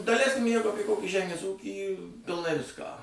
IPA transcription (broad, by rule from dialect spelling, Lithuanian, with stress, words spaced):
dɐˈlʲɛɪsʲkʲɪm ˈjɛɪɡʊ ˈɑːpʲiɛ kˈoːkʲiː ˈʒʲæːmʲeːs ˈuːkʲiː pʲɪlˠˈnɐɪ ˈʋʲɪskɑː